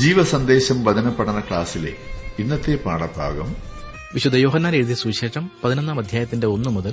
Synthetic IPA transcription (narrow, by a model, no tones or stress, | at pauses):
d͡ʑiːʋɐsɐnd̪e̞ːɕɐmʋɐd̪ʱɐnɐpːɐɽɐnɐkɭaːsilḛinːɐt̪ːepa̰ːɽɐbʱa̰ːɡɐm | ʋiɕud̪ʱːɐjo̞ːɦɐnːaːneuðijɐsuːkʂe̞ːʂɐmpɐðinonːaːmɐd̪ʱjaːjɐt̪ːinde̞o̞nːumuðɐl